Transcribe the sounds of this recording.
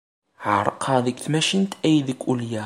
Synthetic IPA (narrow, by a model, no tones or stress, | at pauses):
ʕəɾˤəqʰəðəɡθmæʃint̪æjðəkʷːuljæ